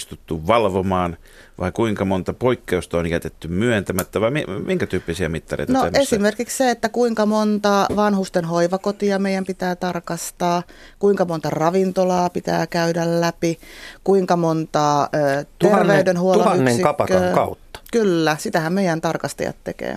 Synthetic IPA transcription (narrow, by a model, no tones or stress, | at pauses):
st̪ut̪ːuʋʋɑlʋomɑːn | ʋɑ̰ikuiŋkɑmont̪ɑpoikːeust̪ɑonjæt̪et̪ːymyønt̪æmæt̪ːæʋɑimimiŋkæt̪yːpːisiɑmit̪ːɑrḛjtnnoæʔesimerkiksseet̪ːækuiŋkɑmont̪ɑʋɑnhust̪enhoiʋɑkot̪iɑmeijæmpit̪æːt̪ɑrkɑst̪ɑː | kuiŋkɑmont̪ɑrɑʋint̪olɑːpit̪æ̰ːkæydællæpikuiŋkɑmont̪ɑːøːt̪ernʋeydenhuollɑynːeŋsikɑkpɑtːøɑːŋkɑut̪ːɑ̥kylːæsit̪æhæmmeijænt̪ɑrkɑst̪ɑ̰jɑ̰t̪t̪ekḛː